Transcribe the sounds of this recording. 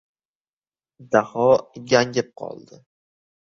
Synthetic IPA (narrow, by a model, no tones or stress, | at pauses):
d̪ahɒɡʲaŋʲɪp̚qʰɒ̰lˠd̪ɪ